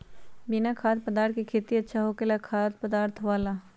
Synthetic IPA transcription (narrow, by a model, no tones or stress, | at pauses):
bɪnakʰaːt̪̚pəd̪aːɾt̪kikʰeːt̪iɐtːʃʰaɦokelakʰaːt̪̚ʰpəd̪aːɾt̪ʰʋaːla